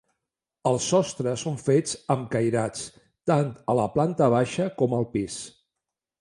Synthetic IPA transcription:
əlˠsɔst̪ɾəsoɱfed͡zəmkəjɾat͡s | t̪ant̪ələplant̪əβ̞aʃəkɔməlˠpis

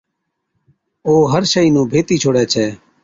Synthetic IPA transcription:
oːɦəɾʃəiːnũːbʱeːt̪iːt͡ʃʰoːɽɛːt͡ʃʰɛː

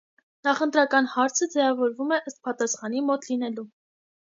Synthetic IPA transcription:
nɑχənt̪ɾɑkɑnhɑɾt͡sʰəd͡zɛvɑvɔɾvumɛʔəst̪̚pɑt̪ɑsχɑn̪imɔt̪linɛlu

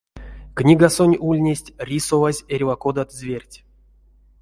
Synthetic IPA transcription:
knʲiɡasonʲulʲnʲesʲtʲrʲisovazʲerʲvakod̪at̪zʲvʲerʲtʲ

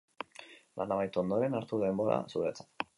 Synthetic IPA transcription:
la̰nd̪aβajt̪o̞nd̪o̞ɾe̞naɾt̪uðe̞mbo̞ɾa̰suɾet͡sḁt̪

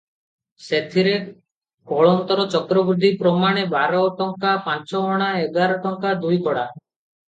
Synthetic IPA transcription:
set̪ʰiɾe | kɔɭɔnt̪ɔɾɔt͡ʃɔkɾɔbɾud̪ʱipɾɔmaɽ̃ebaɾɔʈɔŋkapant͡ʃɔɦɔɽ̃aeɡaɾɔʈɔŋkad̪ujkɔɽa

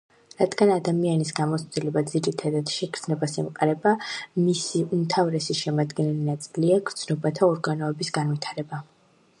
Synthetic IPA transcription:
ɾad̪ɡanad̪amianisɡamɔsd̪ilɛbad̪ziɾit̪ʰad̪ad̪̥ʃɛkʰɾd̪nɛbasɛmqʼaɾɛbamisiumt̪ʰavɾɛsiʃɛmad̪ɡɛnɛlinat̪sʼiliaɡɾd̪sʰnɔbat̪ʰaɔɾɡanɔɛbisɡanvit̪ʰaɾɛba

